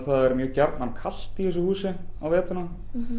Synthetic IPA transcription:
θaðɛɾmjœːcɛɾt̪nankʰal̥t̪iɛs̬ɔhuːsɪawvɛːt̪ʏna

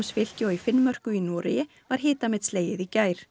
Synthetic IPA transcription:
msfɪl̥cɪɔɣifɪnːmœr̥kʏinɔːɾɪ̰jɪ | vaɾ̥ɦɪːt̪amɛðsleːjɪðicaːjɾ̥

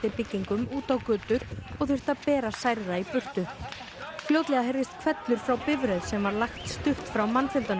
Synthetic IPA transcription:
ɪpɪcːiŋkʏmuːt̪awkʏːt̪ʏɾɔɣθʏr̥t̪aðpɛːɾasajɾðaipʏr̥t̪ʏ | fljoːwt̪lɛɣaɦeɾðɪst̪kʰvɛt̪lʏɾ̥fɾawpɪvɾɛðsɛmvaɾlaxt̪st̪ʏxt̪fɾawmanːfɪlt̪an

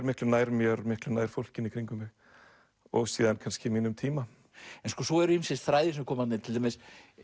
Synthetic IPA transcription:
ɾmɪhklʏnaːjɾmjœɾmɪhklʏnaːjɾ̥fowl̥cɪnikʰɾiŋkʏmɪ | ɔɣsiːðankʰanscɪmiːnʏmt̪ʰiːma | ɛnskɔsɔɛɾʏimsɛsθɾaːjðɪsɛmɾkʰɔːmat̪nɪt̪ʰɪlʰames

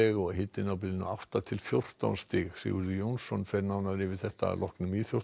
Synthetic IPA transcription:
ɛɣɔɣɦɪt̪ːɪnawp̬ɪlɪnʏawht̪at̪ʰɪlθjowr̥t̪a̰wnst̪ɪɣsɪ̰ɣʏɾðʏjownsɔnfɛɾnawnavɾɪvɪ̥θɛht̪a̰lʔɔhknʏmiðθjo̥

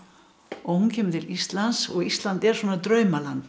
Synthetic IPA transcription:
ɔhuncʰɛːmʏt̪ʰɪlist̪lansɔɣist̪lant̪ɛɾ̥svɔːnat̪ɾœːɥmalan

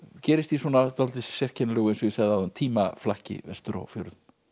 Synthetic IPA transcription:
cɛːɾɪst̪iswɔːnat̪alt̪ɪssɛr̥cʰɛnalœːɣʏɛnsɔθɛðaðʏnt̪ʰiːmaflahcɪ̰vɛ̰st̪ʏɾa̰ɣfjo̰wɾðʏn

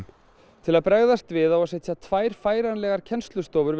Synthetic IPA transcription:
t̪ʰɪlaðpɾɛɣðast̪vɪðawasɛjt̪jat̪ʰvaːjɾ̥faːjɾanlɛɣaɾ̥cʰɛnst̪lʏst̪ɔːvʏɾv

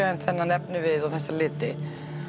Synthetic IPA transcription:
ɛnθɛnːanɛpnɪvɪðɔθɛsːalɪːt̪ɪ

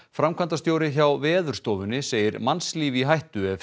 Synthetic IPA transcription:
fɾamkʰant̪ast̪joːwɾɪçawvɛːðʏɾ̥st̪oːvʏnːɪseːjɪɾmansliːviɦajht̪ʏɛv

